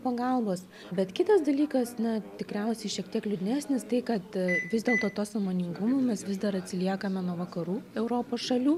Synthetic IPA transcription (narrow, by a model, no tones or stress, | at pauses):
pɐɡɐlˠboːs | bʲɛt̪kʲɪt̪ɐsd̪ɐlʲiːkɐsnɐt̪ʲɪkɾʲɛʊsʲɛɪʃʲiɛkt̪ʲiɛklʲʊd̪ʲɪnʲæːsʲnʲɪst̪ɐɪkɐt̪ʋʲɪzd̪ʲeːlˠt̪oːt̪oːsɐmoːnʲɪŋɡʊmoːmʲɛsʋʲɪzd̪ɐɾɐt̪ʲsʲɪlʲiɛkɐmʲɛnuɔʋɐkɐɾuːɛʊɾoːpoːsʃɐlʲuː